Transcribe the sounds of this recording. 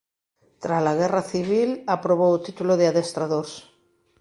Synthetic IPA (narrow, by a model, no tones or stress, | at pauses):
t̪ɾazlaɣ̞eraθiβilapɾoβout̪it̪uloðeaðest̪ɾaðoɾs